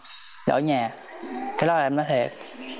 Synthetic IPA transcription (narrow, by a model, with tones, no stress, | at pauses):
ɗo̰˧˩˦jɲaː˨˩ | kaː˦ɗɔ˨˦la˨ʔɛ˧mnɔ˨˦jt̪ʰe˨˩p̚